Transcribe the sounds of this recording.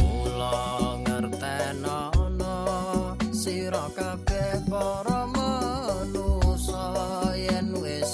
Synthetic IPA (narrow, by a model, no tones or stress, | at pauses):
ulɔŋərt̪ɛnɔ | ɔnɔ | siɾɔkab̥ɛhpɔɾɔmənusɔjɛnwes